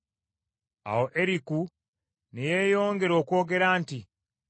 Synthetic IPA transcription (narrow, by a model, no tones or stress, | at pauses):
a̰woʔeɾiku | neje̞ːjo̞ːŋɡe̞ɾo̞ːko̞ːɡe̞ɾaːnti